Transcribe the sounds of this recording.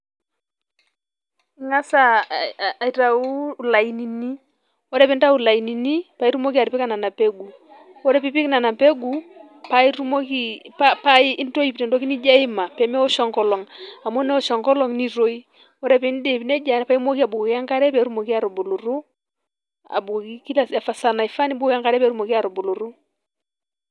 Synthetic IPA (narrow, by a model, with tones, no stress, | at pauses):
i˨˦ŋa˦sa˨ | i˨ta˨u˦˨la˨i˨ni˨ni˦ | ɔ˦ɾɛ˦pɛ˨˦n˦ta˦u˨la˨i˨ni˨ni˦pa˨i˦ɾu˦mo˦ki˦a˨ɾi˨pi˦ka˦˨na˨na˨pɛ˦ɡu˨ | ɔ˦ɾɛ˦pi˨˦pi˦ki˦na˨na˨pe˦ɡu˨ | pa˨˦i˦ɾu˦mo˦ki˦pa˦pa˦i˦i˦n˦to˦i˨pnɛ˨ndɔ˨˦ki˦ni˦d͡ʒa˦i˦ma˨pɛ˨mɛ˦ɔ˦ʃɔ˨ŋkɔ˨lɔ˨ŋa˨mɔ˦nɛ˦ɔ˨ʃɔ˨ŋkɔ˦lɔ˨ŋni˦ɾo˦i˦ | ɔ˦ɾɛ˦pɛ˨˦n˦dɛ˨pi˨nɛ˦d͡ʒa˨pa˦i˦mo˦ki˦a˨bu˨ka˦ŋka˦ɾɛ˦pɛ˨˦ɾu˦mo˨ki˦a˨ɾɔ˨bo˨lu˨ɾu˦ | a̰˨bu˨ki˦ki˦la˨ɛ˨fa˨sa˨na˨i˨fa˦ni˦bu˦a˦ŋka˨ɾɛ˦pɛ˨˦ɾu˦mo˨ki˦a˨ɾɔ˨bo˨lu˨ɾu˦